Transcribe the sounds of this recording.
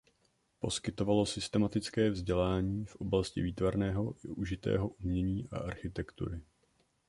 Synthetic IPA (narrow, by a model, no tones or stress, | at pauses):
po̞skɪt̪o̞valo̞sɪst̪ɛmat̪ɪt͡skɛːvzɟɛlaːɲiːfʔo̞blascɪ̰viːt̪vaɾnɛːɦo̞ʔuʒɪt̪ɛ̰ːɦo̞ʔumɲɛɲiːʔa̰ʔaɾxɪt̪ɛkt̪ṵɾɪ